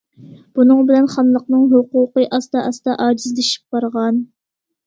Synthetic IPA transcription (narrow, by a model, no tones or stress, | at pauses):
b̥unɨŋbɪlɛnχɑmlˠəqnɨŋɦoquqəʔɑst̪ɑʔɑst̪ɑʔɑːd͡ʒizd̪eʃi̥p̚b̥ɑɾʁɑn